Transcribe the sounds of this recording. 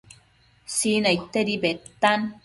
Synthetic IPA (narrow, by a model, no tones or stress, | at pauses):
siːnait̪ːeɾibet̪ːan